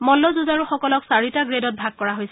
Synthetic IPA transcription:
mɔlːɔzuzaɹuxɔkɔlɔksaɹitaɡɹedɔt̚bʱaɡ̚kɔɹaɦojsɛ

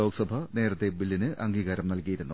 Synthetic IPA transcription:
o̞ːkɐsɐbʱɐne̞ːɾɐt̪ːebilːinɨʔɐŋɡiːɣaːɾɐmnɐlkijiɾunːu

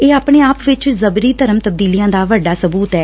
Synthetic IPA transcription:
eːaːpɳeːaːpʋɪt͡ʃzəbɾiːt̪əɾəmt̪əb̚d̪iːlijãːd̪aːʋəɖːaːsəbuːt̪ɛː

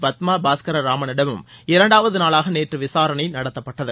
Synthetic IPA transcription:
bɐt̪maːbaːskɐɾɐɾaːmɐnɪɽɐʋɯmɪɾɐɳɖaːʋɐðɯnaːlaːɣɐneːʈrɯʋɪsaːɾɐɳɐɪnɐɽɐt̪ːɐpːɐʈːɐðɯ

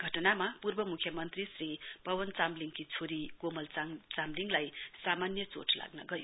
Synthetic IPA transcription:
ɡʱʌʈʌnamapurbʌmukʰːjʌmʌnt̪risripʌwʌnt͡samliŋkit͡sʰoɾiɡomʌlt͡st͡samliŋlajsamanjʌt͡so̰ʈʰla̰ɡnʌ̰ɡʌju

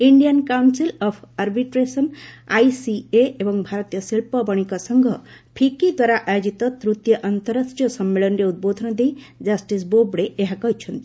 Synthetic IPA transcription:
iɳɖijənkawnsilɔpʰaɾbiʈɾesənajsieebʌŋbʱaɾt̪ijʌsilpʌbʌɽ̃ikasʌŋɡʱʌpʰikid̪waɾaʔajod͡ʒit̪ɔt̪ɾut̪jʌʔɐnt̪əɾəsʈjʌsʌmːelənɾeud̪̚bod̪ʱɔnʌd̪e | d͡ʒasʈisbobɽeeɦakʌɦit͡ʃʰʌnt̪i

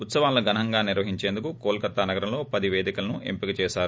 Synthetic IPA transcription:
ut̪sɐʋaːnloɡɐnɐŋɡaːniɾʋɐɦiɲt͡ʃe̞ːnd̪ukukoːlkɐt̪ːanɐɡɐɾɐmlo̞ːpɐd̪iʋeːd̪ikɐlɐnuʔḛmpikɐt͡ʃɛːʃaːɾu

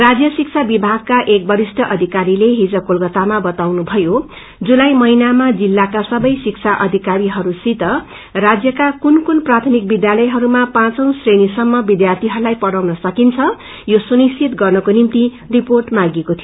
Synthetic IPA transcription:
rad͡zjʌsik̚t͡sʰabibʱaɡ̚kaʔek̚bʌɾisʈʰʌʔʌd̪ʱikaɾileɦid͡zʌkolɡʌt̪amabʌt̪awnubʱʌjo | d͡zulajmʌinamad͡zilːakasʌbʌjsik̚t͡sʰaʔʌd̪ʱikaɾiɦʌɾusit̪ʌ | rad͡zjʌkakunkunprat̪ʰʌmik̚bid̪jalʌjɦʌɾumapãt͡sʌw̃srenisʌmːʌbid̪jart̪ʰiɦʌɾulajpʌɽawnʌsʌkint͡sʰʌ | josunisit̪ɡʌrnʌkonimt̪i | riporʈmaɡekot̪ʰijo

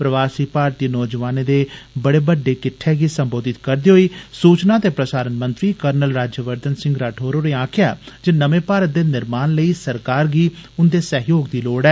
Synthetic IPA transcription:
pɾəʋaːsiːpaːɾt̪iːnɔːd͡ʒəʋaːneːd̪eːbəɽeːbəɖːeːkɪʈʰːeːɡiːsəmboːd̪ɪt̪kəɾd̪iːɦoiːsuːt͡ʃnaːt̪eːpɾəsaːɾənmənt̪ɾiːkəɾnəlɾaːd͡ʒjəʋəɾd̪ənsɪ̃ŋɡɾaːʈʰoːɾoːɾeːãːkʰja̰ːd͡ʒeːnəmẽːpaːɾət̪̚d̪eːnɪɾmaːnləiːsəɾkaːɾɡiːʊnd̪eːsəɦjoːɡd̪iːloːɽɛː

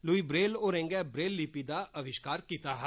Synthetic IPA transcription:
luiːbɾeːloːɾɛ̃ŋɡɛːbɾeːlːipiːd̪aːəʋɪʃkaːɾkiːt̪aːɦɛ

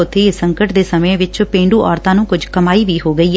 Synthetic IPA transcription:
ʊt̪ʰːeːɪsəŋkəʈd̪eːsəmẽʋɪt͡ʃpẽːɳɖuːʔɔːɾt̪ãːnũːkʊd͡ʒkəmaːiːʋiːɦoːɡəiː

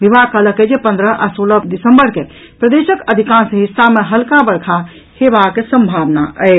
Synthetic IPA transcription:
ʋibakələkːed͡ʒepə̃nd̪ɾəʔasoləd̪isəmbəɾke | pɾəd̪esəkəd̪ʱikãnsəɦisːameɦəlkãbəɽkʰa | hebakesəmbʱaʋna̰ʔəɪ

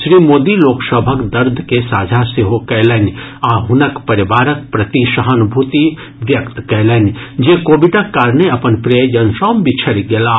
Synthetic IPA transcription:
ʃɾiːmoːd̪iloːksəbʱəkd̪ɐɾd̪ʱkesaːd͡ʒʱaseɦokɛːlən | aːɦʊnəkpɐɾɪʋaːɾək̚pɾɐt̪iʃɐɦənbʱut̪i | ʋjɐkt̪kɛlənd͡ʒekoːbiʈakːaːɾneɐpənpɾejd͡ʒənsɔːmbʱit͡ʃʰɐɽɡelaː

